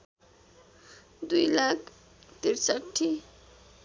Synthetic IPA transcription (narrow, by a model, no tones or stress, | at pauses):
d̪ujlakʰ | t̪iɾsaʈʰːi